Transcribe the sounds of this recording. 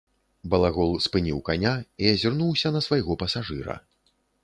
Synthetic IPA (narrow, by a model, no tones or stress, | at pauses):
bɐlˠaɣɔlˠspɨnʲiwkanʲaiɐzʲirnuwsʲɐnɐsvajɣɔpɐsaʐɨɾɐ̰